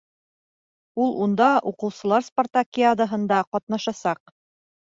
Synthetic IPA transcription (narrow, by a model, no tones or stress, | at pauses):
ulˠʔund̪ɑʔuqɤ̆wsɤ̆lˠɑɾsport̪akʲiad̪əɦɤ̆nd̪ɑqɒt̪nɑʃɑsɑq̚